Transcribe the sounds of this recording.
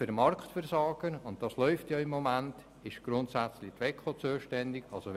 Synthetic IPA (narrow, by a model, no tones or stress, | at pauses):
ɪɾmɑrktfɛrsɑːɡ̥ənʊntd̥ɑslœʏftjɑɪmːomænt | ɪʃɡ̥ɾʊntsæt͡slitʋɛkʰot͡suːʃtɛndɪɡɑlso